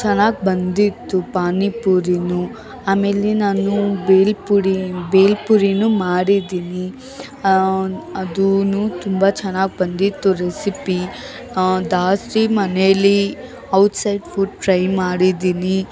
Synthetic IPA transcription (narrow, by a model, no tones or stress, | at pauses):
t͡ʃɛnːaːɡ̚bɐnd̪it̪ːupaːnipuɾinu | aːme̞ːlenaːnubeːlpuɾibeːlpuɾinumaːɽid̪iːni | ɐd̪unut̪umbat͡ʃɛnaːɡ̚bɐnd̪it̪ːuɾesipi | d̪aːsɾimɐneɐlːi | ɐwʈsɐjɖfʰuɖ̚ʈɾɐjmaːɽid̪iːni